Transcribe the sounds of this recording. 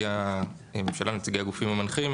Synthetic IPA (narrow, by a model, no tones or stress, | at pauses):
a | ememʃalanut͡siɡiaɡufimamanχim